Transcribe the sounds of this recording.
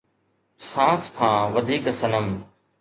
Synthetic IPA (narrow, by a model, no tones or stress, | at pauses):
sãːskʰãːʋɐd̪ʱiːksɐnəm